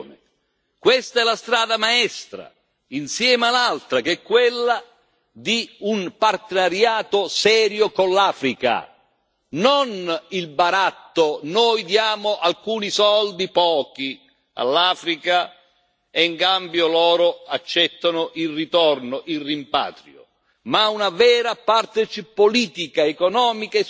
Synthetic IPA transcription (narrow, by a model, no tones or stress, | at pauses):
nɪ | kwɛst̪aɛlast̪ɾaːd̪amaɛst̪ɾa̰ | insjɛːmalalt̪ɾak̟ɛkːwelːa | d̪iunpart̪enaɾjaːt̪ʊsɛːɾjokonlːaːfɾika̰ | nonilbaɾat̪ːonojd̪jaːmʊʔalkuːnisɔld̪ipɔːki | a̰lːaːfɾika | eiŋkambjolɔːɾʊat͡ʃːɛt̪ːanʊʔilrit̪ɔrnoʔirːimpa̰ːt̪ɾjo̰ | maunavɛːɾapart̪et͡ʃipoliːt̪ikaekɔnɔːmikae